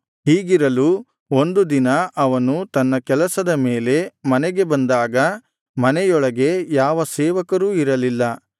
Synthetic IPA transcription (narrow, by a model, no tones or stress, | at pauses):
ɦiːɡiɾɐlu | o̞nd̪ud̪inɐʔɐʋɐnut̪ɐnːɐkɛlɐsɐd̪ɐmeːle̞mɐnɛɡe̞bɐnd̪aːɡɐ | mɐnɛjɔɭɐɡe̞jaːʋɐsɛːʋɐkɐɾuːiɾɐlilːɐ